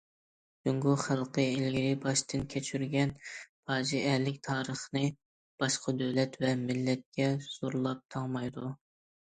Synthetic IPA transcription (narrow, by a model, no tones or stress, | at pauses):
d̪yŋɡuχælˠqəɪlɡʲiɾɪbɑʃt̪ʰɨnkʲʰɛt͡ʃʰyɾɡʲɛnpʰɑːd͡ʒiɛlɪkʲt̪ʰɑːɾəχnɨ | b̥ɑʃqʰɑd̪øwlɛt̪vɛmɪlːɛt̪̚kʲɛz̥oɾulˠɑp̚t̪ʰɑŋmɑjd̪u